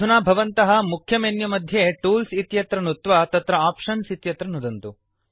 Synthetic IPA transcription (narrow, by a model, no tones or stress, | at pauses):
unaːbʱɐʋɐnt̪ɐɦɐ̆mukʰjɐmenjɐmɐd̪ʱjeʈuːlsit̪jɐt̪ɾɐnut̪ʋat̪ɐt̪ɾɐaːpʂɐnsit̪jɐt̪ɾɐnud̪ɐnt̪u